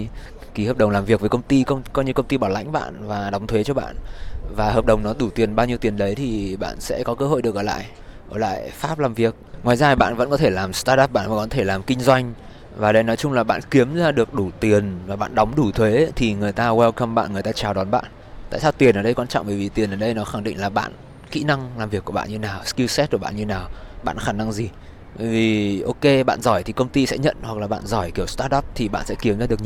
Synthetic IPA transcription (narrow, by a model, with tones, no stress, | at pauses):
ki˨˦həː˨˩p̚ɗə˨˩wŋ͡mlaː˨˩mvi˨˩ək̚vːjkə˧wŋ͡mt̪i˧kə˧ŋ͡mkɔ˧jɲɨ˧kə˧wŋ͡mt̪i˧ɓaː˧˩wla̰˧˥jŋ̟ɓa̰ː˧˨nvaː˨˩ɗɔ˨˦wŋ͡mt̪ʰwe˨˦t͡ɕɔ˧ɓa̰ː˧˨nvaː˨˩həː˨˩p̚ɗə˨˩wŋ͡mnɔ˨˦ɗu˧˩t̪i˨˩ənɓaː˧wɲi˧əwt̪i˨˩ənɗə˨˦jt̪ʰi˨˩ɓa̰ː˧˨nsɛ̰˧˥kɔ˨˦kəː˧ho̰˧˨jɗɨ˨˩ək̚ʔəː˧˩la̰ː˧˨j | ʔəː˧˩la̰ː˧˨jfaː˦˥p̚laː˨˩mvi˨˩ək̚ŋwaː˨˩jzaː˧ɓa̰ː˧˨nvə̰˧˥nkɔ˨˦t̪ʰe˧˩laː˨˩mst̪aː˧ɗaː˦˥p̚ɓa̰ː˧˨nvaː˨˩kɔ˨˦t̪ʰe˧˩laː˨˩mkï˧ŋ̟zwa˧jŋ̟ | vaː˨˩ɗə˧jnɔ˨˦jt͡ɕʊ˧ŋ͡mlaː˨˩ɓa̰ː˧˨nki˨˦əmzaː˧ɗɨ˨˩ək̚ɗu˧˩t̪i˨˩ənvaː˨˩ɓa̰ː˧˨nɗɔ˨˦wŋ͡mɗu˧˩t̪ʰwe˨˦t̪ʰi˨˩ŋɨ˨˩əjt̪aː˧wɛ˧lka˧mɓa̰ː˧˨nɨ˨əjt̪aː˧t͡ɕaː˨˩wɗɔ˨˦nɓa̰ː˧˨n | t̪a̰ː˧˨saː˧wt̪i˨˩ənʔəː˨˩ɗə˧jkwaː˧nt͡ɕɔ̰˧˨wŋ͡mɓəː˧˩vi˨˩t̪i˨˩ənʔəː˨˩ɗə˧jnɔ˨˦xa˧˩ŋɗḭ˧˨ŋ̟laː˨˩ɓa̰ː˧˨n | kḭ˧˥na˧ŋlaː˨˩mvi˨˩kːu˧˩ɓa̰ː˧˨ɲɨ˧naː˨˩wski˧sɛ˦˥t̚ku˧˩ɓa̰ː˧˨ɲɨ˧naː˨˩wɓa̰ː˧˨nxaː˧˩na˧ŋzi˨˩ | ɓəː˧˩jvi˨˩ʔo˧ke˧ɓa̰ː˧˨nzɔ˧˩jt̪ʰi˨˩kə˧wŋ͡mt̪i˧sɛ̰˧˥ɲə̰˧˨nhwa˨˩klaː˨˩ɓa̰ː˧˨nzɔ˧˩jki˧˩əwst̪aː˧˥ɗa˦˥p̚t̪ʰi˨˩ɓa̰ː˧˨nsɛ̰˧˥ki˨˦mzaː˧ɗɨ˨˩əkɲ˧